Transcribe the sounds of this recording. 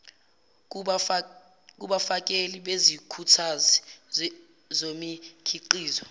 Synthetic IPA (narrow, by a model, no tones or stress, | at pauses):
k̬uɓafak̬ʼeliɓezikʰutʰazi | zomikʰiǃiːzɔ